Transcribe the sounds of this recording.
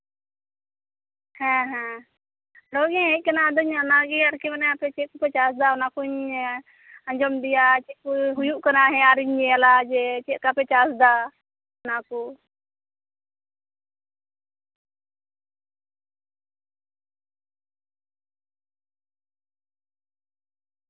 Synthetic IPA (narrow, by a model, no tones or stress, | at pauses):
hɛ̃ɦɛ̃ | ɾɔɡɛ̃ɦɛc̚kanad̪ɔɲanaɡɛaɾkɛmanɛapɛt͡ʃɛʔkɔpɛt͡ʃasd̪aɔnakuɲ | aɲd͡ʒɔmd̪ijat͡ʃɛkuɦujuʔkanaɦɛ̃aɾiɲːɛjalad͡ʒɛt͡ʃɛʔ̚kapɛt͡ʃasd̪a | naku